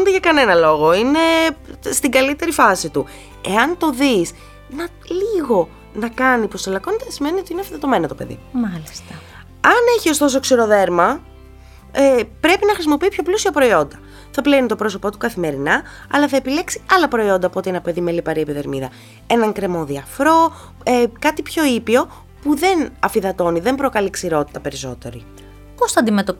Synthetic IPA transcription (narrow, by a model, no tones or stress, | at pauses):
nt̪eʝɐkɐne̞nɐlo̞ɣo̞ine̞st̪iɡɐlit̪e̞ɾifɐsit̪u | e̞ɐnt̪o̞ðis | nɐ | liɣo̞ | nɐkɐnipostelɐko̞net̪esime̞niot̪iineɐfiðet̪o̞me̞nɐt̪opeðḭmɐlist̪ɐ | ɐne̞çio̞st̪o̞s̬oksiɾo̞ðe̞ɾmɐ | epɾe̞pinɐxɾisimo̞pipço̞plusiɐpɾo̞io̞nd̪ɐ | θɐplenit̪o̞pɾo̞so̞po̞t̪u̥kɐθime̞ɾinɐ | ɐlɐθɐe̞pile̞ksiɐlɐpɾo̞io̞nd̪ɐːpo̞t̪ienɐpe̞ðimelipɐɾiepiðe̞ɾmiðɐ | e̞nɐŋkɾe̞mo̞ðiɐfɾo̞ | ekɐt̪ipço̞ipio̞ | puðe̞nɐfiðɐt̪o̞niðe̞mbɾo̞kɐliksiɾo̞t̪i̥t̪ɐpe̞ɾiso̞̰t̪e̞ɾi | posθɐɐnd̪imet̪op